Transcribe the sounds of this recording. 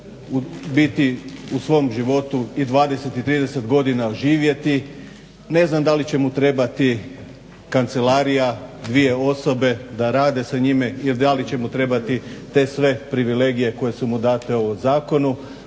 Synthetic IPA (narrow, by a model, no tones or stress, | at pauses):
ubit̪iusʋo̞mʒiʋo̞t̪uid̪ʋaːd̪e̞se̞t̪it̪ɾiːd̪e̞se̞t̪ɡo̞d̪inaoʒiːʋje̞t̪i | ne̞znamd̪alit͡ɕe̞mut̪ɾe̞bat̪i | kant̪se̞laɾijad̪ʋije̞o̞so̞be̞d̪aɾaːd̪e̞saɲimeild̪alit͡ɕe̞mut̪ɾe̞bat̪it̪e̞sʋe̞pɾiʋile̞ɡije̞ko̞je̞sumud̪aːt̪e̞ozaːko̞nu